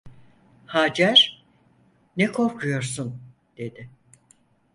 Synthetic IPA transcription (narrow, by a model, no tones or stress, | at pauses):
haːd͡ʒæɾ̥ | nɛkʰo̞ɾkʰujo̞ɾsun | d̪̥e̞d̪ɪ